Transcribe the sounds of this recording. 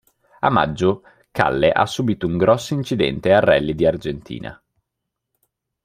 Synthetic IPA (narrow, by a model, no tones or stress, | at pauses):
a̰mːa̰d͡ʒːo | ka̰lːeʔa̰sːubiːt̪ouŋɡɾɔsːoint͡ʃid̪ɛ̰nt̪earːɛlːid̪iard͡ʒent̪ʰḭːna̰